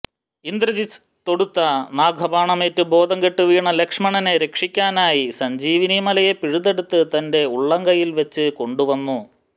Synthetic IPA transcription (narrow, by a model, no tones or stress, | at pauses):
ind̪ɾɐði | t̪o̞ɽut̪ːɐnaːɡʱɐbaːɳɐmeːtːɨbo̞ːd̪ɐŋɡeʈːuʋiːɳɐlekʂɐmɐɳɐneɾe̞kʂikʲːaːnaːjisɐɲd͡ʑiːʋinimɐlɐjepiɻuðe̞ɽut̪ːɨt̪ɐnde̞uɭːɐŋɡɐjilʋet͡ɕːɨko̞ɳɖuʋɐnːu